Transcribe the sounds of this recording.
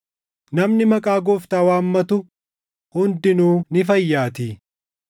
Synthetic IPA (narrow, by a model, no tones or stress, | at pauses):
nɐmnɪmɐkʼaːɡɔft̪aːwaːmːɐt̪ʊ | hʊnd̪ɪnuːnɪfɐjːaːt̪i